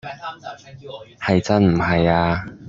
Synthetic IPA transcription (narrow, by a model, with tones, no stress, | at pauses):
hɐ˨jt͡sɐ˥nm̩˨˩hɐ˨jaː˧